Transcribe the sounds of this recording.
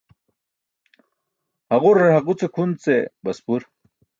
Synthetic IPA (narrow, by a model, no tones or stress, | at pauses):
hɐɣuɾaɦɐqut͡sekʰunt͡sebɐspuɾ